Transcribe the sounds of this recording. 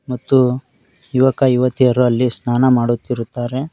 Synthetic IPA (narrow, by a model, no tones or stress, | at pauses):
mɐt̪ːu | juʋɐkɐiʋɐt̪iɐɾuɐlːisnaːnɐmaːɽut̪ːiɾut̪ːaːɾe̞